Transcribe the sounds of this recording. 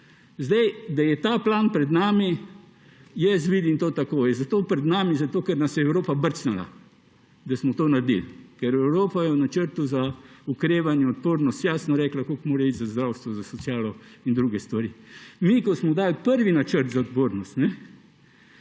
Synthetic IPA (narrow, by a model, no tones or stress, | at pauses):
zd̪ɛjd̪ajɛt̪aːplaːnpɾɛd̪naːmi | jɛs̬ʋiːd̪imt̪oːt̪akoːjɛzat̪oːpɾɛd̪naːmizat̪oːkɛɾnasjɛɛwɾoːpabəɾt͡snala̰ | d̪asmɔt̪oːnaɾd̪ḭlkɛɾɛwɾoːpajɛwnat͡ʃəɾt̪uzaukɾeːʋanjɛɔt̪poːɾnɔst̪jasnɔɾɛklakolkmoːɾɛid͡ʒ̪zazd̪ɾawst̪ʋɔzasɔsjaːlɔind̪ɾuːɡɛst̪ʋaɾiːmikɔsmɔd̪aːlpəɾʋinat͡ʃəɾt̪zaod̪poːɾnɔst̪nɛ